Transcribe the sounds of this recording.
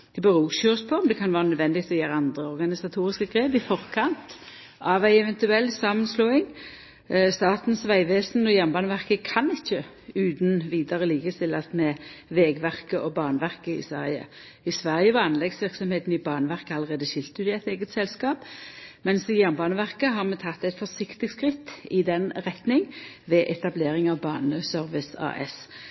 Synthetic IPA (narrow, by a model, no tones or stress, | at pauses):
d̪̥ɛbəʁuːsøːspʰɔmnd̪ɛkʰɑnʋæːʁənœd̪ʋɛnd̪ɪɡ̚t̪ʰɔjeːʁəɑnd̪ʁəɔʁɡɑnɪsɑt̪ʰuːʁɪskəɡʁeːbɪfɔʁkʰɑnt̪ | ɑʋæɪɛʋɛnt̪ʉɛlːsɑːmənsloːɪŋ | st̪ɑːt̪n̩sʋæɪʋeːsnɔjæʁnbɑːnəʋæʁkəkʰɑnɪçːə | ʉːd̪nʋiːd̪ɑʁəliːɡəsʰɪlɑt̪mɛʋeːɡʋæʁkəʔɔbɑːnəʋæʁkəɪ̰sʋæ̰ʁjə̰ | ɪsʋæʁjəʋɑːnlɛɡsʋɪʁksɔmheːt̪n̩ɪbɑːnəʋæʁkəɑlːəʁeːd̪əʃɪlt̪əʉd̪ɪæɪt̪eːɡət̪sɛlskɑːpmɛnsɪjæʁnbɑːnəʋæʁkəɦɑʁmɛt̪ʰɑt̪ːæɪt̪fɔsɪkt̪ɪɡskʁɪt̪ːɪd̪ɛnʁɛt̪nɪŋ | ʋɛʔɛt̪ɑbleːʁɪŋɑʋbɑ̰ːnəsœɾʋɪsɑ̰ːʔɛ̰s